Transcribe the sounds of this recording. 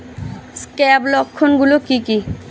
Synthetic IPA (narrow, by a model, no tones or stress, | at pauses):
skɛblɔkʰːonɡulokiki